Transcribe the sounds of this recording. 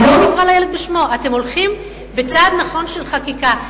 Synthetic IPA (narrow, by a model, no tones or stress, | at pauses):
omikʁalajeled̪̚beʃmo̞ʔate̞mo̞lχim | bet͡sad̪naχo̞nʃe̞lχakika